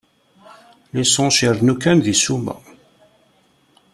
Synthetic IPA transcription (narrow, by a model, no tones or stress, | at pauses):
lisõʃiɾnukːænðisumæ̰